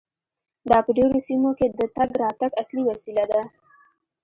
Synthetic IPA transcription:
d̪ɑpəɖeɾosimoked̪ət̪aɡɾɑt̪aɡasliwasilad̪a

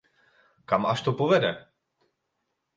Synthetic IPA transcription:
kamaʃt̪opovɛdɛ

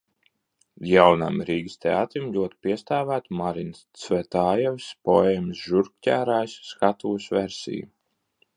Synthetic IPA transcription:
jawna̰mɾiːɡist̪ʰeaːt̪ɾimlʲuɔt̪piɛst̪aːvæːt̪maɾinst̪svɛt̪aːjɛvʲspɔeːmsʒuɾk̚cʲæːɾaːjsːkat̪uːsveɾsʲḭju

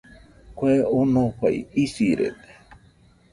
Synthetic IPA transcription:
kʷeonõkʷa̰jisiɾḛt̪e̥

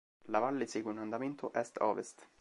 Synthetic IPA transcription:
lavalːeseːɡweunand̪ament̪ʰoʔɛst̪ɔ̰ːvḛst̪

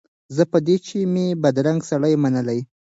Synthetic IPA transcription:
zəpəd̪et͡ʃemebad̪ɾaŋɡsaɽajmanəlaj

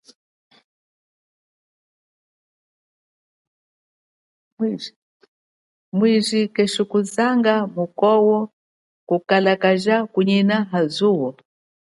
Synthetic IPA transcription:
mwiʒikɛʃukuzaŋɡamukɔwɔ | kukalakaʒakuɲinaɦazuwɔ

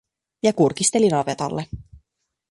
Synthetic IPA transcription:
jɑkurkist̪e̞linɑbet̪ɑ̰lːe

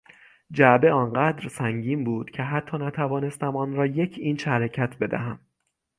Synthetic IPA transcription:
d͡ʒæbe̞ɒːnɢæːd̪ɾsæŋɟiːmbuːd̪̥cʰe̞ɦæt̪ʰːɒːnæt̪ʰævɒːne̞st̪æmɒːnɾɒːje̞cʰiːnʃæɾecʰæt̪ʰbe̞d̪æ̰ɦæm

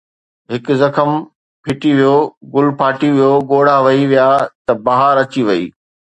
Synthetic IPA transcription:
ɦɪkʊzɐxəm | pʰɪʈiʋijoɡʊlpʰaːʈiʋijoɠoːɽ̤aʋɐiʋijaːt̪ɐbɐɦaɾɐt͡ɕiʋɐḭː

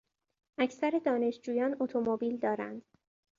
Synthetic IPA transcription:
ʔæcʰsæɾe̞d̪ɒːne̞ʃd͡ʒuːjɒːnot̪ʰomobiːld̪ɒːɾæ̰nd̪̥

